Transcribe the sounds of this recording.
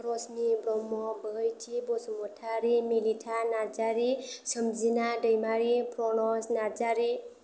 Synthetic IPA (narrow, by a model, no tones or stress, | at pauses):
ɾɔsnibɾɔmːɔbəɦəjtʰibɔsumɔtʰaɾimilitʰanaɾd͡ʒaɾisəmzinadəjmaɾipʰɾɔnɔsnaɾd͡ʒaɾi